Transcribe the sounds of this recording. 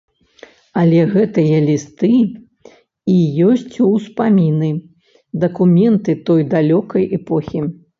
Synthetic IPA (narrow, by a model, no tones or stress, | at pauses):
ɐlʲɛɣɛt̪ɨjɐlʲist̪ɨ | ijɔsʲt͡sʲuspamʲinɨ | d̪ɐkumʲɛnt̪ɨt̪ɔjd̪alʲɔkɐjʔɛpɔxʲi